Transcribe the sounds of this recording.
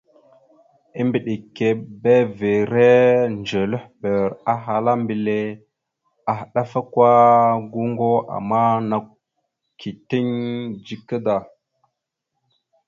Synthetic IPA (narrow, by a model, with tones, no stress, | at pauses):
i˦mbi˨ɗi˨kːe˨be˦ve˨ɾe˦nd͡ʒə˨lə˦hbə˨ɾa˦ɦa˨la˦mbi˨le˦ | a˨hɗa˦fa˦kwa˦ɡu˦ŋɡo˦a̰˨ma˦na˨k | ki˨ti˦ɲd͡ʒi˦kə˦da˨